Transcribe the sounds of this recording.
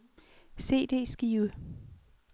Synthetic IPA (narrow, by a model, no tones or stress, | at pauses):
se̝̰ːd̥e̝̰ːsɡ̥iːwə